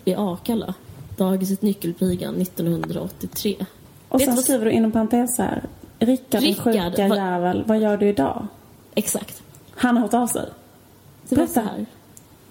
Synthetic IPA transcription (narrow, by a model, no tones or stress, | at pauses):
ɪʔɑːkʰala̰d̪̥ɑːɡɪs̬ɛt̪nʏkːəlpʰiːɡa̰nːɪt̪ːɔnhɵnd̪ɾa̰ɔt̪ːɪt̪ʰɾeː | ʔɔsɛnskɾiːvəɖɵʔɪnːɔmpʰaɾɪnt̪ʰeːshæ̰ːɾɾɪkːaɾɧʉːajæːvəlvajœːɖɵɪd̪ɑ̰ː | ɛksa̰kt̪ | hanhaɾhɔt̪ɑːvsɛ̰j | ɾɛæ̰ɾ